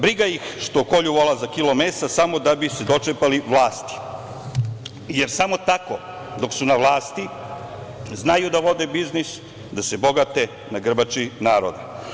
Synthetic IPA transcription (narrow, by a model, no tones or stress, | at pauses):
bɾiɡajixʃt̪oko̞ʎuʋolazakilo̞meːsasamo̞d̪abised̪o̞t͡ʂepaliʋlˠaːst̪i̥ | jeɾsamo̞t̪ako | d̪o̞ksunaʋlˠaːst̪i | znajud̪aʋo̞d̪ebiznis | d̪asebo̞ɡat̪e | naɡr̩bat͡ʃinaːɾod̪a